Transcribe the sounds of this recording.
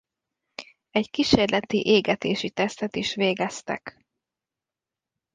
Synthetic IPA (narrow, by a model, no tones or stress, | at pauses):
ɛɟkiʃeːrlʔɛt̪iʔeːɡɛt̪eːʃit̪ɛst̪ɛt̪iʃʋeːɡɛst̪ɛ̰k